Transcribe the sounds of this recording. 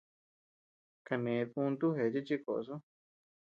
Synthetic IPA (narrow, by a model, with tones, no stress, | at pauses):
ka˧nẽ˨˧tũ˧nt̪u˦ɦe˨˧t͡ʃi˦t͡ʃi˦ko̰˨˧s̬u˦